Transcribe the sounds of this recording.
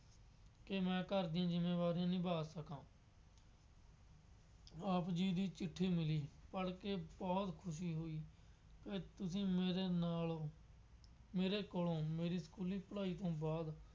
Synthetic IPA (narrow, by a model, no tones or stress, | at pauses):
kemɛ̃ːkəɾd̪ijãːd͡ʒɪmːeːʋaːɾijãːnĩːbʱaːsəkãː | aːpd͡ʒiːd̪iːt͡ʃɪʈʰːiːmɪliːpəɽkebɔːt̪kʰʊʃ̬iːɦoːiː | ket̪ʊsĩːeɾenaːl | meːɾeːkoːlõːmeːɾiːskuːliːpəɽaːiːt̪õːbaːd̪